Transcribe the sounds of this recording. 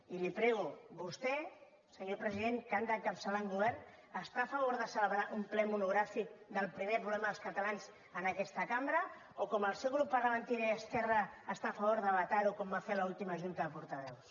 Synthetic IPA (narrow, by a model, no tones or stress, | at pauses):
ilipɾɛɣuβust̪ɛ | səɲopɾəziðeŋkand̪əkapsəlaŋɡuβɛɾn | əst̪aːfaβoɾðəsələβɾaɾumplɛmunuɣɾafik̚d̪əlˠpɾimepɾuβlɛmaðəlˠskət̪alanz | ənakɛst̪əkambɾə | okoməlˠsɛwɣɾup̚ːpəɾɣəβənt̪iɾiəskɛrəːst̪afaβ̞oɾðəβat̪aɾukombafelaulˠt̪iməʒunt̪əðəpuɾt̪əβɛws